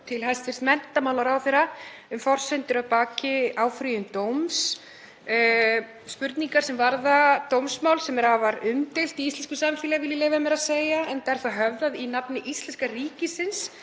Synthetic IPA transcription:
t̪ʰɪlɦajst̪fɪr̥st̪mɛnt̪amawlaɾawθɛɾaʏmfɔr̥sœnt̪ʏɾaðpaːcɪaːwfɾijʏnt̪owms | spʏɾt̪niŋkaɾ̥sɛmvaɾðat̪owmsmawlsɛmɛɾhavaɾʏmt̪ɪl̥t̪iist̪ɛnskʏsamfɪːlavɪlɪlɛvamɛɾaðseːjaɛnt̪aɛɾ̥θaɦœvðaðinapnɪʔist̪ɛnskariːcɪsɪns

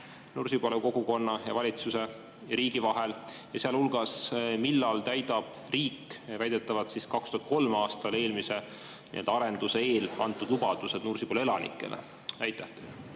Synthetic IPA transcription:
nursiboluko̞ɡ̥uko̞nːɑjɑvɑlʲit̪suse̞ | jɑɾiːɡ̥ivɑɦe̞ljɑseɑlulɡ̥ɑsmilːɑlt̪æjd̪ɑb̥ | riːkvæjd̪e̞t̪ːˑɑvɑd̪̥siskɑkst̪uhɑt̪̚ko̞lmɑːst̪ɑle̞ːlmise̞ | nḭeld̪ɑɑɾe̞nd̪̥use̞eːlɑnt̪ːˑud̪̥lubɑd̪use̞d̪̥nursib̥olelɑnʔḭkˑːe̞̰lḛ | væjt̪ːæht̪ːˑel

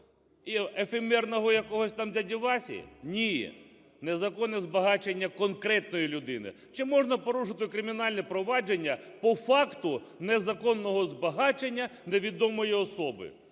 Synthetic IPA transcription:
iefemɛrnɔɦɔjɐkɔɦɔsʲt̪ɑmd̪ʲɐdʲiʋɑsʲḭnʲi | nezɐkɔnːɛzbɐɦɑt͡ʃenʲːɐkɔnkɾɛt̪nɔjilʲʊd̪ɪnɪ̰ | t͡ʃɪmɔʒnɐpɔɾuʃɪt̪ɪkɾɪmʲinɑlʲnɛpɾɔʋɑd͡ʒenʲːɐpɔfɑkt̪ʊnezɐkɔnːɔɦɔzbɐɦɑt͡ʃenʲːɐneʋʲid̪ɔmɔjiɔsɔbɪ̰

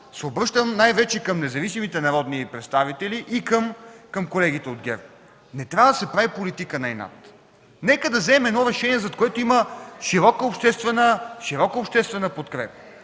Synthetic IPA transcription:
sɛobɾɤʃt̪əmnajvɛt͡ʃɛkɐmnɛzɐvisimit̪ɛnɐɾɔd̪nipɾɛt̪st̪avit̪ɛliʔikəmkɤmkolɛɡ̟it̪ɛod̪̚ɡʲɛ̰ɾ | nɛt̪ɾʲavɐd̪ɐsɛpɾavipolit̪ikənaɛna̰t̪ | nɛkəd̪ɐvzɛːmɛd̪nɔɾɛʃɛniɛzɐt̪koɛt̪oiməʃiɾɔkəopʃt̪ɛst̪vɛnəʃiɾɔkəopʃt̪ɛst̪vɛnəpot̪kɾɛpə̥

